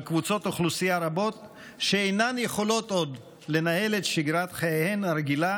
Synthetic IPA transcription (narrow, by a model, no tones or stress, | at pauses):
kvut͡so̞t̪oχlusijaɾabo̞t̪ | ʃeejnanje̞χo̞lo̞t̪o̞d̪ | le̞nae̞let̪ʃiɡɾat̪χajehenɾeɡila